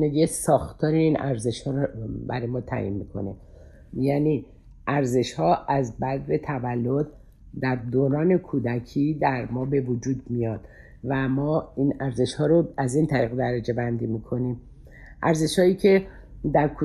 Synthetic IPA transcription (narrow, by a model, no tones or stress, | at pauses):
neɡiesɒːxt̪ʰɒːɾeiːnʔæ̰ɾze̞ʃhɒːɾobæ̰ɾɒːjemɒːt̪ʰæ̰ːʔḭnmikʰo̞̰nḛ | jæni | ʔæɾze̞ʃhɒːʔæzbæd̪be̞t̪ʰævælːod̪ | d̪æɾd̪oːɾɒːne̞kʰuːd̪æcʰiːd̪æɾmɒːbe̞vod͡ʒuːd̪mijɒd̪̥ | væmɒːinæɾze̞ʃhɒːɾoæzint̪ʰæɾiːɣed̪æɾed͡ʒe̞bænd̪imikʰo̞nim | ʔæɾze̞ʃhɒːiːcʰe̞d̪æɾkʰu